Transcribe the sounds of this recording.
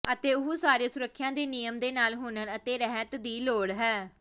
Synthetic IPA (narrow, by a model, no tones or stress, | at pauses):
ət̪eːʊɦusaːɾeːsʊɾəkʰːjãːd̪eːnijəmd̪eːnaːlɦʊːnənət̪eːɾɛɦət̪d̪iːloːɽɦɛː